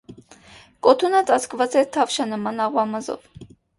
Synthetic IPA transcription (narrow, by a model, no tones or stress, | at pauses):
kɔt̪ʰunət͡sɑt͡skvɑt͡sɛt̪ʰɑvʃɑnəmɑnɑʁwɑmɑzɔ̰v